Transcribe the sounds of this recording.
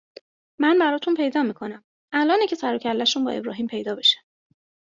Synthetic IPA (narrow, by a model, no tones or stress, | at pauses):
mænbæɾɒːt̪ʰunpʰejd̪ɒːmiːkʰo̞næm | ʔælʔɒːnecʰe̞sæɾocʰælːæʃunbɒ̰ːe̞bɾɒ̰ːɦiːmpʰe̞jd̪ɒːbe̞ʃæ̥